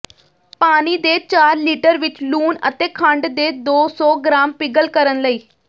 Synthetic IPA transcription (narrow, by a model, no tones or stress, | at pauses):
paːñid̪et͡ʃaːɾliːʈəɾʋɪt͡ʃluːnə̰t̪ekʰə̃ɳɖd̪ed̪oːsɔːɡɾaːmpɪɡəlkəɾənləiː